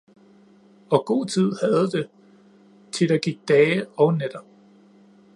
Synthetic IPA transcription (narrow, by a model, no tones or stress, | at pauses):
ɒ̽ɡ̥o̝̰ːt͡sʰið̞̰ˠhæð̞̩ˠd̥e̝ | t͡sʰe̝d̥ɑ̈ɡ̥iɡ̥̚d̥ɛːɒ̽ʊned̥ɐb̥̚